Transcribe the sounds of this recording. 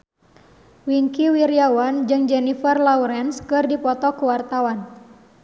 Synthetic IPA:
wiŋkiwiɾiawand͡ʒɨŋd͡ʒɛnifərlauɾɛnskɨrdipɔt̪ɔkuwart̪awan

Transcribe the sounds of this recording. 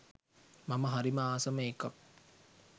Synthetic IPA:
maməɦaɾimaaːsəmeːkak̚

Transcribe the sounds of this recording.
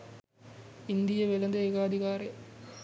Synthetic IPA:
ind̪ijəʋelɐnd̪əeːɡaːd̪ʱikaːɾej

